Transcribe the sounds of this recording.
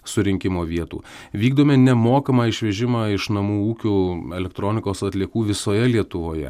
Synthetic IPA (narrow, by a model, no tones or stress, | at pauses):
sʊɾʲɪŋʲkʲɪmoːʋʲiɛt̪ṵː | ʋʲiːɡd̪oːmʲɪnʲɛmoːkɐmɑːɪʃʲʋʲɛʒʲɪmɑːɪʃnɐmuːuːkʲʊːɛlʲɛkt̪ɾoːnʲɪkoːsɐt̪ʲlʲiɛkuːʋʲɪsoːjɛlʲiɛt̪ʊʋoːjɛ̰